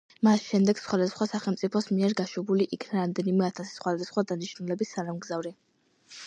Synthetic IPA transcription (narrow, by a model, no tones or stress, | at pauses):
masʃɛmd̪ɛɡ̥sχwad̪asχwasaχɛlˠmt̪sʼipʰɔsmiɛɾɡaʃɛbuliʔikʰnaɾamd̪ɛnimɛat̪ʰasi̥sχwad̪asχwad̪aniʃnulɛbisanamɡzavɾi